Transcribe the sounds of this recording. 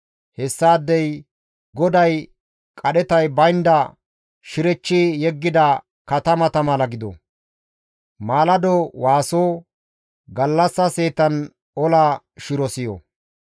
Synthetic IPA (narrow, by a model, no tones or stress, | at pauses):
hɛsːaːd̪ːɛj | ɡɔd̪ɐj | kʼɐɗɛt̪ɐjbɐjnd̪ɐ | ʃɪɾɛt͡ʃːijɛɡːɪd̪ɐ | kɐt̪ɐmɐt̪ɐmɐlɐɡɪd̪ɔ̰ | maːlɐd̪ɔwaːsoː | ɡɐlːɐsːɐse̞ːt̪ɐn | ɔla | ʃɪɾɔsɪjo̰